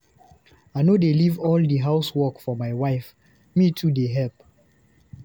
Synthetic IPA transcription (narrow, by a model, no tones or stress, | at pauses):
aɪnodelivɔldiɦaʊswɔkfɔmajwaɪf | mitʰudeɦɛlp̚